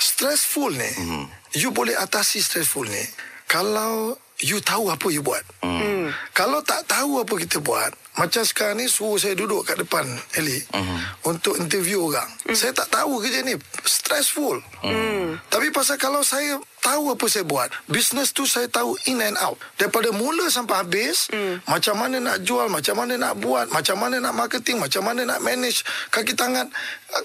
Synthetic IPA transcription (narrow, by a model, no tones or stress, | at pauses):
st̪ɾɛsfulnḭjubolɛɦat̪asist̪ɾɛsfulnḭkalaw | jut̪auapəjubua̰t̪̚ | kalawt̪aʔt̪auap̬əkit̪əbua̰t̪̚mat͡ʃamsə̥kaɾaŋnisuʊs̬ajədudʊʔkaʔdəpanɛli | unt̪ʊkint̪ərvjuoɾa̰ŋsajət̪aʔt̪aukəd͡ʒənist̪ɾɛsful | t̪apipas̬akalawsajət̪auapəsajəbua̰t̪̚bisnəst̪usajət̪auinɛna̰wt̪̚daɾipadəmuləsampahabɪsmat͡ʃamːanəna̰ʔd͡ʒualmat͡ʃamːanəna̰ʔbuat̪̚mat͡ʃamːanənaʔmarkət̪ɪŋmat͡ʃamːanəna̰ʔmɛnɪt͡ʃkak̬it̪aaŋat̪̚